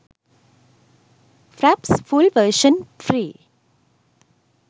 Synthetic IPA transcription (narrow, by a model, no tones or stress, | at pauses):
fɾæpsfʰulʋəɾʃənfʰɾi